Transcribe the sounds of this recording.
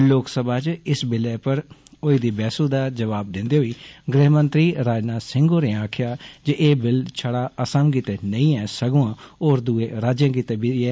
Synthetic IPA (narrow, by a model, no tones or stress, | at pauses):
loːksəbaːt͡ʃɪsbɪlɛːpəɾoːiːd̪iːbɛːsuːd̪aːd͡ʒəʋaːb̚d̪ɪ̃nd̪eːɦoiːɡɾeɦmə̃nt̪ɾiːɾaːd͡ʒnaːsɪ̃ŋɡoːnẽːaːkʰɪjaːd͡ʒeʔeːbɪlt͡ʃʰəɽaːəsəmk̬iːt̪eːnə̃ĩːɛːsəɡõːãːoːɾd̪uːeːɾaːd͡ʒjãːkiːt̪eːbɪɛː